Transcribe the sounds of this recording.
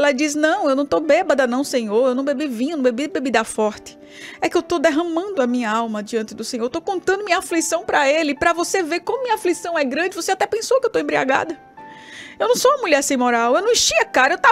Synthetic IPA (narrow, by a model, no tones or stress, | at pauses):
ɛlɐd͡ʒisnɐ̃w̃ewnɐ̃w̃t̪obɛbɐd̪ɐnɐ̃w̃sẽɲoɾewnɐ̃w̃bebivĩɲɐñbebibebid̪afɔɾt̪ɪ̥ | ɛkɪewt̪od̪ɛɦɐ̃mɐ̃nd̪ʊɐmĩɲɐawmɐd͡ʒiɐ̃nt̪ɪd̪ʊsẽɲoɾt̪okõnt̪ɐ̃nd̪ʊmĩɲɐaflisɐ̃w̃pɾɐelɪpɾɐvoseveɾkõmʊmĩɲɐaflisɐ̃w̃ɛɡɾɐ̃d͡ʒɪvoseat̪ɛpẽsokɪewt̪owẽmbɾia̰ɡa̰d̪ɐ | ewnɐ̃w̃soɐmuʎɛɾsẽj̃mɔɾawewnɐ̃w̃ĩʃiɐkaɾɐewt̪a